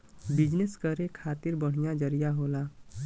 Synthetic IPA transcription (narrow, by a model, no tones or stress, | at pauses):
bid͡ʒneskəɾekʰaːt̪iɾbəɽ̤ijad͡ʒəɾijaɦoːla